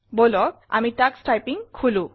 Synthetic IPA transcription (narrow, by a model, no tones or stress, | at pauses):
bolɔk | a̰mitaksʈajpiŋkʰulũ